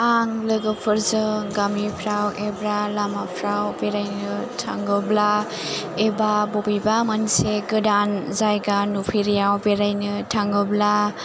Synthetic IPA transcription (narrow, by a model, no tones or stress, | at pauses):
aŋlɯɡɯpʰɯɾzɯɡamipʰɾawʔebɾalamapʰɾawbeɾajnɯtʰaŋɡɯbla | ebabobibamanseɡɯdanzajɡanupʰiɾijawbeɾajnɯtʰaŋɡɯbla